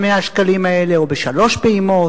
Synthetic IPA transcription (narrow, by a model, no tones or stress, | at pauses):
meaʃkalimaeleubeʃalo̞ʃbeimo̞